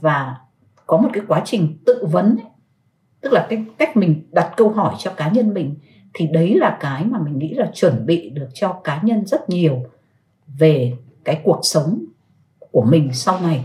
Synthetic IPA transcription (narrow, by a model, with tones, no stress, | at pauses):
vaː˨˩ | kɔ˨˦mo˨˩t̚kaː˨˦jkwaː˨˦t͡ɕï˨˩ŋ̟t̪ɨ̰˧˨və˨˦n˦ | t̪ɨ˦˥k̚laː˨˩kːka˦˥jk̟̚mï˨˩ŋ̟ɗa˨˩t̚kə˧wɦɔ˧˩jt͡ɕɔ˧kaː˨˦ɲə˧nmï˨˩ŋ̟ | t̪ʰi˨˩ɗə˨˦jlaː˨˩kaː˨˦jmaː˨˩mï˨˩ŋ̟ŋḭ˧˥laː˨˩t͡ɕwə˧˩nɓḭ˧˨ɗɨ˨˩ək̚t͡ɕɔ˧kaː˨˦ɲə˧nzə˦˥t̚ɲi˨˩əw | ve˨˩ | kaː˨˦jku˨˩ək̚sə˨˦wŋ͡m | ku˧˩əmï˨˩ŋ̟sa˧wna˨˩j